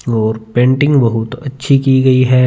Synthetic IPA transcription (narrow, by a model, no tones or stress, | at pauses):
ɔːɾpẽːɳʈɪ̃ŋɡbɐɦʊt̪ɐtːʃʰikiɡɐiɦɛː